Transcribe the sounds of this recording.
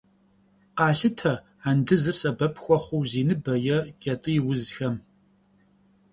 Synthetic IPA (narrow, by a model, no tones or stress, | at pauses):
qɑːɬɨtʰɐ | andɨzɨrsʼɐbɐpʰʼxʷɔχʷʊwziːnɨbɐjɛkʼɐtʼɨjɪwʊzxɐm